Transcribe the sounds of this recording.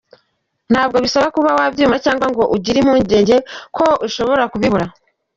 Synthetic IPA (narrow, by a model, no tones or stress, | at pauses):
n̥haːb̚ɡo̞βisaβakuβawabjuːmacaːŋɡwaŋɡo̞ʔuɟiɾim̥uːɲɟe̞ːɲɟe̞kʰo̞uʃo̞βo̞ɾakuβiβuɾa